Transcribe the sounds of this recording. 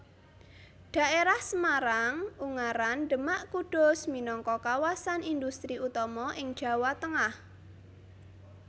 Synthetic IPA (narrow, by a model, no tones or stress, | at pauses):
ɖ̥ä̤ʔeɾahsəmaɾaŋuŋaɾanɖəmaʔkuɖ̥ɔ̤sminɔŋkɔkawasanind̪ust̪ɾiut̪ɔmɔʔɪŋd̥ʒ̥ä̤wat̪əŋah